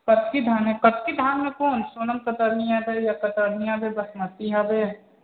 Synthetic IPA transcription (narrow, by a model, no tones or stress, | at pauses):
kət̪̚kid̪ʱaːnɦɛ̃kət̪̚kid̪ʱaːnmẽkoːnsoːnəmkət̪əɾnijabejakət̪əɾnijãbʱebɐsmɐtiɦɐbe